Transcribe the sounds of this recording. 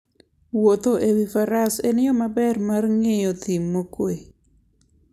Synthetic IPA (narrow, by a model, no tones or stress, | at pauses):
wot̪oʔewifaɾasenɪjɔmabɛrmarŋejɔt̪imːokwe